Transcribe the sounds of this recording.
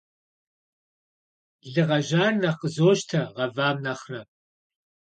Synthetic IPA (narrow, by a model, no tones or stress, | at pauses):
ɮɨʁɐʒaːrnɐqəzoːʃtʰɐʁɐvaːmnɐχrɐ